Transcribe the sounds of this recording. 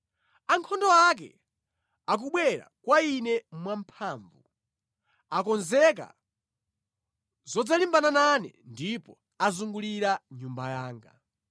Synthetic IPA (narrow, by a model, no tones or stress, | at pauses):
aŋkʰɔndɔak̬ɛ̰ | ak̬uɓwɛɾa̰kwainɛmwampʰaːɱvu | akɔnzɛk̬a̰ | zɔd͡zalimbanananɛ̰ndipɔ | azuŋɡuliɾaɲumbajaːŋɡa